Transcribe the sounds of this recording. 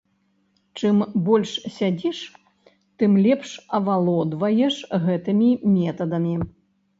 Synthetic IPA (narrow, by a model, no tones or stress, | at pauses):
t͡ʂɨmbɔlʲʂsʲad͡zʲiʂ | t̪ɨmlʲɛpʂɐvalˠɔd̪vɐjɛʂɣɛt̪ɨmʲimʲɛt̪ɐd̪ɐmʲi